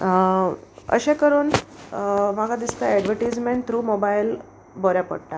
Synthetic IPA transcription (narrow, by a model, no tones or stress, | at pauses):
ə̰ɕẽkəɾuːn | maɡʱad̪ist̪əɛɖʋəɾʈiːd͡zmẽɳt̪ɾuːmobajl | bɔɾjapə̰ɽʈa